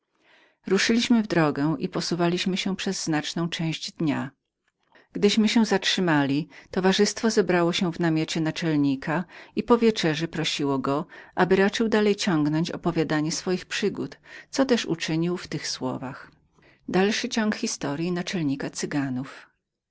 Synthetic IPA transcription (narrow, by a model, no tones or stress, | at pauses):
ɾuʂɘlʲiɕmɘvd̪ɾɔɡɛwʔḭpɔsuvalʲiɕmɘɕɛ̃pʂɛzːnat͡ʂnɔ̃w̃t͡ʂɛ̃w̃ʑd͡ʑd̪ɲa | ɡ̥d̪ɘɕmɘɕɛzatʂɘmalʲit̪ɔvaʐɘst̪fɔzɛbɾawɔɕɛ̃vnamʲjet͡ɕɛnat͡ʂɛlɲikʰaipɔvʲjɛt͡ʂɛʐɛpɾɔɕiwɔɡɔʔabɘɾat͡ʂɘwd̪alɛjt͡ɕɔŋɡnɔɲt͡ɕɔ̰pɔvʲjad̪aɲɛsfɔjixpʂɘɡut̪t̪sɔt̪ɛʂṵt͡ʂɘɲiwft̪ɘxswɔ̰vax | d̪alʂɘt͡ɕɔŋkxʲist̪ɔɾʲjinat͡ʂɛlɲikat̪sɘɡanuf